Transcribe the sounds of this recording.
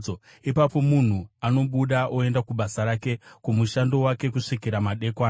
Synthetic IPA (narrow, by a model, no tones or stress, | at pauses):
o | ipapo̞mun̤uano̞ɓuɗaʔoe̞ndakuɓasaɾake̞kumuʃando̞wake̞kuʂikiɾamaɗe̞kwaː